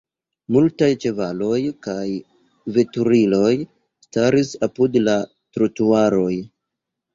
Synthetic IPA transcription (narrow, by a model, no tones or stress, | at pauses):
multajt͡ʃe̞valo̞jkaj | ve̞tuɾilo̞j | staɾisapudla | tɾotuaɾo̞j